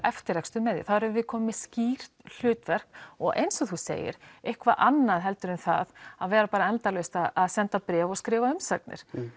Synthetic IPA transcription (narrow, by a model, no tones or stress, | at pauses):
ɛft̪ɪɾɛkst̪ʏmɛðjɪ̰θaðɾɛvvɪðkʰɔːmɪsciːɾ̥t̪l̥ʏːt̪vɛr̥kɔɣʔḛjnsɔθusḛːjɪ̰ɾ̥ehkvaʔanːaðɦɛlt̪ʏɾʏmθa̰ðaðvɛːɾapaːɾaɛnt̪alʏst̪aaðsɛnt̪apɾɛːvɔɣskɾɪːvaʏmsaknɪ̰ɾ̥